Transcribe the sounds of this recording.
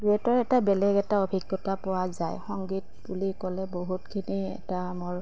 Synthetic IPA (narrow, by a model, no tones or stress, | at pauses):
duɛtɔɹɛtabɛlɛɡɛtaobʱiɡːɔtapʊwazajxɔŋɡit̚bulikɔlɛboɦutkʰiniɛ̰tamoɹ